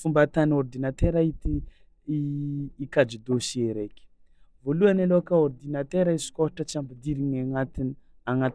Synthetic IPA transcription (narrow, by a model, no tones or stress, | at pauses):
fumbat̪aniord̪inat̪eɾait̪i | kad͡ʒid̪osieɾekʲi̥ | voluanalokaord̪inat̪eɾaisi̥koɦiʈ͡ʂət͡siambid̪iɾiɲaŋat̪ini | aŋat̪